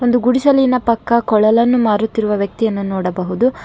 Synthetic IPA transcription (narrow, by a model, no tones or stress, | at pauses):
o̞nd̪uɡuɽiʃɐlinɐpɐkːɐkɔɭɐlɐnːumaːɾut̪ːiɾuʋɐʋjɐk̚t̪ijɐnːunɔːɽɐbɐɦud̪u